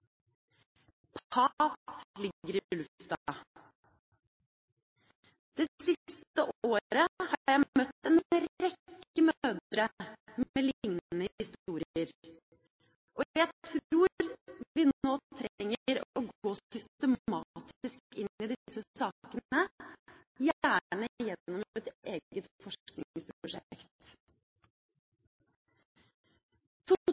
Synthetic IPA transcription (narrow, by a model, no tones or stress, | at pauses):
pʰɑslɪɡːəɾɪlʉft̪ɑ | d̪̥eːsɪst̪əʔoːɾəhɑɾjæɪmœt̪ːɛnɾɛkːəmøːd̪ɾəmeːlŋnnəhɪst̪uːɾəɾ | ʔɔæɪt̪ʰɾuːɾʋɪnoːt̪ʰɾɛŋːəəɾɔɡoːsʏst̪əmɑt̪ɪskkɪnːɪd̪ɪsəsɑːkənə | jæːɳəjɛnːɔmɛt̪eːɡət̪fɔʂknɪ̰ŋspɾʊʂɛ̰kt̪ | t̪ʰu